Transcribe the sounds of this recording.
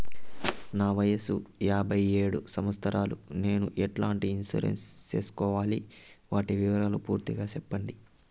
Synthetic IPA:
naːʋɐjɐsujaːbʱɐje̞ːɽusɐmɐst̪ʰɐɾaːlune̞ːnuʔɛʈlaːɳʈiinsṵːɾḛnst͡ʃe̞̰ːsu̥kɔːʋaːliʋaːʈiʋiʋɐɾaːlupṵːɾt̪iɡaːt͡ʃɛpːɐɳɖi

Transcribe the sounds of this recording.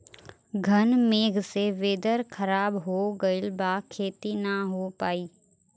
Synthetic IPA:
ɡʱənmeːɡʱseʋeːd̪əɾkʰəɾaːbɦoːɡəɪlbaːkʰeːt̪inəɦopaːiː

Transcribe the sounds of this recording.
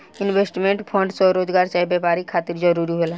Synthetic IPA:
ɪnwesʈmẽɳʈpʰə̃ɳɖsɔɾoːd͡ʒɡaːɾt͡ʃaibjɛpaːɾikʰːaːt̪iɾd͡ʒəɾuɾiɦola

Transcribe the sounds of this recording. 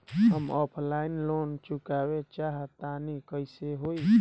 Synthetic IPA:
ɦəmɔpʰlainlont͡ʃukabet͡ʃaɦt̪anikəɪseɦoj

